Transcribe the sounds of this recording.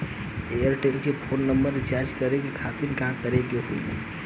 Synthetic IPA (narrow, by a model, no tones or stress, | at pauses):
ejəɾʈelkepʰonːəmbəɾit͡ʃaɾd͡ʒkəɾekekʰat̪inkãmkəɾekeɦo̰j̰